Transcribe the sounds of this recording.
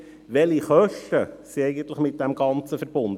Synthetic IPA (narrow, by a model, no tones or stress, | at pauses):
ʋɛliχœʃtəsiɛɪɡən̩t̪ləχmɪt̪̚d̥ɛmɡɑnt͡səfəɾbʊnd̪ə